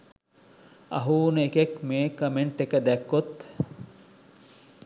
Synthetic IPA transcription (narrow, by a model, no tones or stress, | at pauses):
ɐ̰ɦuːnəekekmeːkəmeɳʈekəd̪ækːot̪